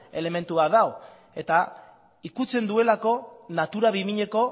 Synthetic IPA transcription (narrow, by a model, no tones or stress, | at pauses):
e̞le̞me̞nt̪uβaðao | e̞t̪a | ikut͡se̞nd̪ue̞lako̞nat̪uɾaβimiɲe̞ko̞